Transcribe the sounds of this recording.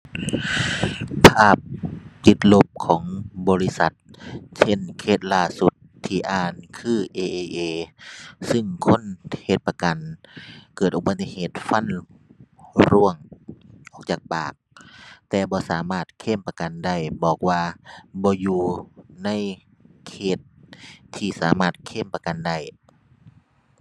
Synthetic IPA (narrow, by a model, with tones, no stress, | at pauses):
pʰaː˧˥˩p̚t̪i˧˦t̪̚lo˧˩p̚kʰɔː˩˦ŋbɔː˨˦li˧sa˧˦t̪̚t͡ɕʰe˧˥˨nkʰeː˧˨˩t̪̚laː˧˩su˧˦t̪ʰːiː˧ʔaː˧˩nkʰɯː˧˩ʔeː˧ʔeː˧ʔeː˧˩sɯ˧˩ŋkʰo˧˥˨nhe˧˩t̪̚pa˧ka˨nkɤː˨˩t̪ʔo˧ba˧t̪ːi˧˨heː˨˩t̪̚fa˧˥˨n | ɾu˧˥əŋʔɔː˧˦k̚t͡ɕaː˨˧˩k̚paː˨˩k̚t̪ɛː˧bɔː˧˦saː˨˦maː˧˩t̪̚kʰe˧˥˨mpa˧ka˨nda˧˩jbɔː˨˩k̚waː˧bɔː˧˦juː˧na˧˥˨j | kʰeː˧˩t̪̚ʰː | iː˧˩saː˨˦maː˧˩t̪̚kʰe˧˥˨mpa˧ka˨nda˧˥˩j